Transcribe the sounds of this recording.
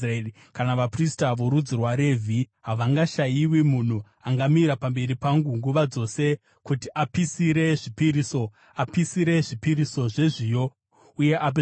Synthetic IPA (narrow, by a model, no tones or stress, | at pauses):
i | kanaʋapristaʋo̞ɾud͡zirwaɾevʱi | ɦaʋaŋɡaʃajiwimun̤u | aŋɡamiɾapambe̞ɾipaŋɡuŋɡuʋad͡zo̞se̞ | kutiʔapisiɾe̞ʐipiɾiso̞ | apisiɾe̞ʐipiriso̞ʐe̞ʐijo̞ | uje̞ʔap̬